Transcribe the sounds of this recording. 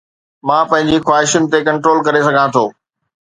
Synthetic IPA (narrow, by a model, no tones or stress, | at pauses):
mãːpɐ̃ɦɪ̃ɲ̆d͡ʑixwaːɦɪʃʊnɪ̆t̪ekɐ̃ɳʈɾoːlkɐɾesɐɡʱãt̪ʰoː